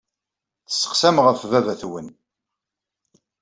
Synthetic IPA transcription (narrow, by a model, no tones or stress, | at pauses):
θə̥sːə̥qsæmʁəfvævæθwən